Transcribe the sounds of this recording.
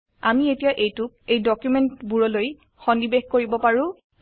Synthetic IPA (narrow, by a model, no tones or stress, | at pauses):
amietijaʔejtʊk̚ejdɔkjumentbuɹɔloj | xɔndibexkoɹibɔpaɹʊ̃